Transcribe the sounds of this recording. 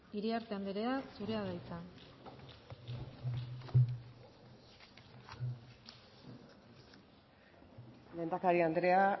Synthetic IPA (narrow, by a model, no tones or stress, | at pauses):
iɾiaɾt̪e̞amb̪eɾe̞asuɾe̞aðajt͡sa | lend̪akaɾiand̪ɾe̞a